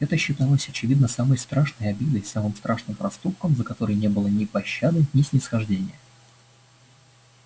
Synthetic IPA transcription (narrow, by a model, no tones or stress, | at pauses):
ɛt̪əɕːɪt̪alˠəsʲɐt͡ɕɪvʲid̪nəsaməjst̪ɾaʂnəjɐbʲid̪əjsamɨmst̪ɾʔaʂnɨmpɾɐst̪up̚kəmzəkɐt̪o̞ɾəjnʲe̞bɨlˠənʲɪpɐɕːad̪ɨnʲɪsʲnʲɪsxɐʐdʲenʲɪjə